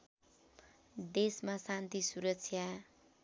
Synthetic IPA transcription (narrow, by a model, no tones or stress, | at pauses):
d̪esmasant̪isuɾʌksʰja